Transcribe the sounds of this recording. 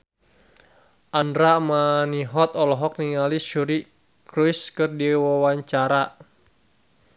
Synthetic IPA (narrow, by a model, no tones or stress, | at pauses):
ʔandɾamaniɦɔt̪ɔlɔɦɔk̚niŋaliʃuɾi | kɾuiskɨrdiwawaɲt͡ʃaɾa